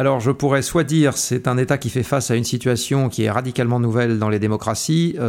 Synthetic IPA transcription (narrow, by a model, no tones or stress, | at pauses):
alɔʁʒəpuʁɛswad̪iːʁsɛt̪ɛ̃net̪akʲifɛfasaynsit̪ɥasjɔ̃kʲiɛʁad̪ikʲalmɑ̃nuvɛld̪ɑ̃led̪emɔkχasi